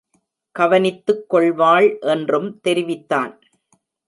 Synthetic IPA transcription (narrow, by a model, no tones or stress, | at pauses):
ɡɐʋɐnɪt̪ːɯkːɔɭʋaːɭʔɛndrɯmt̪ɛɾɪʋɪt̪ːaːn